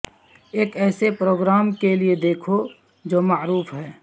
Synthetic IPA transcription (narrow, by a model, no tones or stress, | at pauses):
eːkɛːsepɾoːɡɾaːmkelied̪eːkʰo | d͡ʒoːmaːɾuːfɦɛː